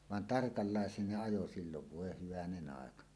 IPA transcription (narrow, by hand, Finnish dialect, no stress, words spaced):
ʋɑn tɑrkɑlːɑˑesˑeːn ne ɑjo silːoʋ ʋoˑe hyʋænenˑ ɑˑekɑ